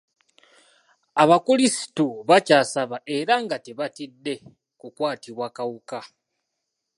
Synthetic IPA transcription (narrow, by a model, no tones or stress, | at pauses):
aβakulisi̥tuβacaːsaβaʔe̞ɾaŋɡate̞βatidːe̞ | kukwaːtiβwaːkawuka